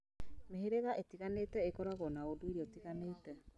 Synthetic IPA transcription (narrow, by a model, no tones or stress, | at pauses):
meheɾeɣaʔetiɣaneːtɛekɔɾaɣɔnaodoiɾiɔtiɣaneːtɛ